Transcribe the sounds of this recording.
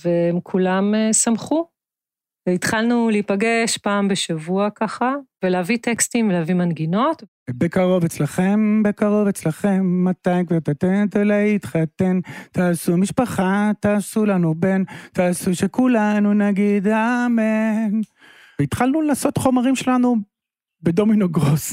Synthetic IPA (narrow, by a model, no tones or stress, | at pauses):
veemkʰulamesamχu | veit̪χalnulipaɡeʃpaːmbeʃavuakaχaveleavit̪ekst̪imveleavimanɡino̞t̪ | bekaʁo̞vet͡slaχe̞mbe̞kaʁo̞vet͡slaχe̞mːat̪ajkvaʁt̪at̪ent̪alajit̪χat̪ent̪aːsumiʃpaχat̪aːsulanubent̪aːsuʃekulanunaɡid̪amen | veit̪χalnulaːso̞t̪χo̞maʁimʃelanu | be̞d̪o̞minoɡʁos